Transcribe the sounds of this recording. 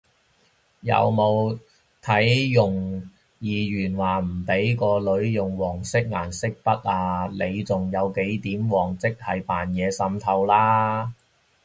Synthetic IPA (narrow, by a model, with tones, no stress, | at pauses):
jɐ̰˨˧wmo˨˧w | t̪ʰɐ˨˥jjʊ˨˩ŋ | jiː˨jyː˨˩nwaː˨˩m̩˨˩pe˨˥jkɔː˧lɵ˨˧˥ɥjʊ˨˩ŋwɔː˨˩ŋsɪ˥k̚ŋaː˨˩nsɪ˥k̚pɐ˥t̚aː˧le˨˧jt͡sʊ˨ŋjɐ˨˧wke˨˥jt̪iː˨˥mwɔː˨˩ŋt͡sɪ˥k̚hɐ˨jpaː˨njɛː˨˧sɐ˧˥mt̪ʰɐ˧wlaː˥